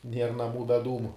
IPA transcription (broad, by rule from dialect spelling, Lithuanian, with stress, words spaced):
ˈnʲiɛr nɐˈmuː bʲɛ ˈduːmʊ